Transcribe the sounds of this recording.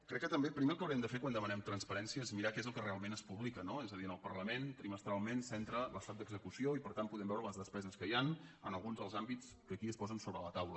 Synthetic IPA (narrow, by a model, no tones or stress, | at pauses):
kɾɛkːət̪əmbepɾimelˠkəwɾiɛmd̪əfeɾkwand̪əmənɛmt̪ɾənspəɾɛnsiəezmiɾakezəlˠkərealˠmenəspuβlikənoezəðiənəlˠpəɾləment̪ɾiməst̪ɾalˠmensɛnt̪ɾələst̪at̪̚d̪əɡzəkusioipəɾt̪anpuðɛmbɛwɾələzðəspɛzəskəjanə̰nəlˠɣunzðəlˠzambit͡s | kəkiəspɔzənsoβɾələt̪awlə